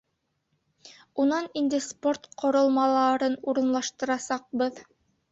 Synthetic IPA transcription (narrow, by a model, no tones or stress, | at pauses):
unɑnind̪ɘspoɾt̪qŏɾɤ̆lˠmɑlˠɑɾɤnuɾɤ̆nlˠɑʃt̪ɤ̆ɾɑsɑq̚bɤð